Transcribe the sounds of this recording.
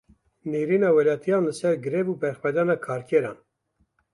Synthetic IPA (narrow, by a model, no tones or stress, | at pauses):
niɾinɑwɛlɑt̪ʰijɑnəsɛɾɡəɾɛvupɛɾχpɛd̪ɑnɑkʰɑɾkʰɛɾɑn